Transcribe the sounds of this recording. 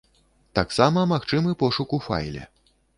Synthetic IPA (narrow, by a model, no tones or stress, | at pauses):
t̪aksamɐmaxt͡ʂɨmɨpɔʂukufa̰jlʲɛ̰